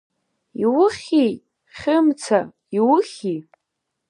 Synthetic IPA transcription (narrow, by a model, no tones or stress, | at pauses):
iwʊχʲi | χʲɪmt͡sʰa | iwʊχʲi